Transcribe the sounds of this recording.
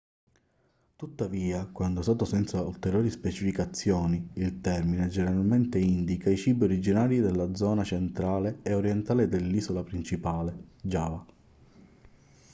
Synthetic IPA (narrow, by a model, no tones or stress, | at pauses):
t̪ut̪ːaviːakwand̪osaːt̪osɛnsault̪eɾjoːɾispet͡ʃifikat̪sːjɔːniilt̪ɛrmined͡ʒɛneɾalment̪eind̪ikait͡ʃiːbioɾid͡ʒinaːɾid̪elːad̪zɔːnat͡ʃent̪ɾaːleːoɾjent̪aːled̪elːiːsolapɾint͡ʃipaːled͡ʒaːva